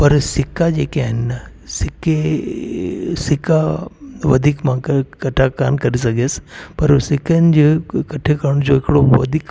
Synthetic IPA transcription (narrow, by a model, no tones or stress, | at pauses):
pɐɾsɪkad͡ʑḛːkeaːɦɪnːɐsɪke | sɪkaʋɐd̪ʱiːkmãkkɐʈʰaka̰ːnkɐɾis̬ɐɡʱespɐɾsɪkənɪ̆d͡ʑekɐʈʰekɐɾɽ̃ʊd͡ʑoɦɪkɪɽoʋɐ̰d̪ʱiːk